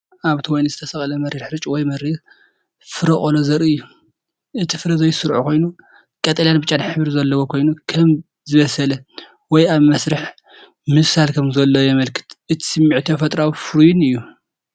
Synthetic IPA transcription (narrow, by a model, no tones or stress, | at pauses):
ʔaβt̪ʰiwɔjnzɨt̪ʰɐsɐχʼlɐmɐɾiɾħɾɨt͡ʃʼwɔjmɐɾiɾ | fɨɾɐχʼolozɐɾɨɨjːu | ʔɨt̪ʰifɨɾɐzɐjsɨɾʕṵkʰo̞jnu | kʼɐt̪ʼɐljanbɨt͡ʃʼːanħɨβɾizɐlːɐwokʰo̞jnukʰɐm | zɨβɐsɐlɐ | wɔjaβmɐsɾɨħ | mɨfsalkʰɐmzɐlːɐwjɛmɐlkʰɨ̥t̪ʔɨt̪ʰi̥sɨmːiʕt̪ʰofɐt̪ʼɾawifɨɾujunɨjːu